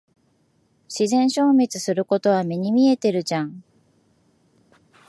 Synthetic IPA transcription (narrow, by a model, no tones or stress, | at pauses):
ɕizẽ̞ɰ̃ɕo̞ːmʲet͡sɨsɨɾɯ̟ko̞t̪o̞βamʲiɲ̟imʲie̞t̪e̞ɾɯ̟d͡ʑãŋ